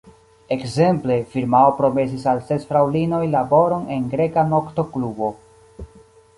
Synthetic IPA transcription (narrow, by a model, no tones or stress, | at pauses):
e̞kze̞mple̞fiɾmaopɾo̞me̞s̬isalse̞sfɾawlino̞jlabo̞ɾo̞ne̞nɡɾe̞kano̞kto̞klubo̞